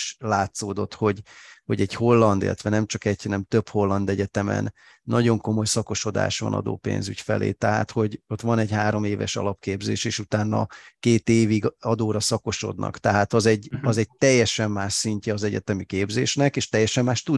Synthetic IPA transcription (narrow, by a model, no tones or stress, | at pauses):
ʃlaːt̪soːd̪o̞t̪ho̞ɟho̞ɟɛɟho̞lːɒnd̪ḭlːɛt̪ʋɛnɛmt͡ʃɒkɛɟhɒnɛmt̪ø̞pho̞lːɒnd̪ɛɟɛt̪ɛmɛ̰nː | ɒɟo̞ŋko̞mo̞jsɒko̞ʃo̞d̪a̰ːʃʋɒ̰nɒ̰d̪o̰ːpḛːnzy̰cfɛ̰lḛːt̪ɛɦa̰ːt̪ho̞ɟo̞t̪ʋɒnɛɟhaːɾo̞meːvɛ̰ʃɒ̰lɒpkeːbzḛːʃeːʃut̪aːnːɒ̰keːt̪eːviɡɒd̪oːɾɒsɒko̞ʃo̞̰d̪nɒ̰kt̪ɛɦaːt̪ɒzɛɟɒzɛɟ̚t̪ɛjːɛʃɛmːaːʃsiɲcɛɒzɛɟɛ̰t̪ɛmikeːbzḛːʃnɛkeːʃt̪ɛjːɛʃɛmːaːʃt̪u